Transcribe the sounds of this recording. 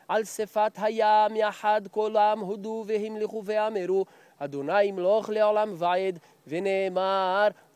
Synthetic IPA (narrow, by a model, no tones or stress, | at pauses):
ʕalsefat̪ɦajamjaħad̪kolamɦod̪uveɦimliχuveameɾu | ad̪onajimloχleʕolamvaʕid̪ | veneːmaɾ